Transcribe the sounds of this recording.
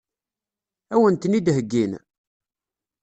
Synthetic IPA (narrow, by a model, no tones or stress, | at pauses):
æwənt̪nid̪ɦəɡːin